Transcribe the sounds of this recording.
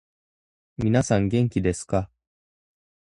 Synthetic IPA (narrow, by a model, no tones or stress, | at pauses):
mʲinasãŋɡẽ̞ŋkʲid̪e̞sɨ̥ka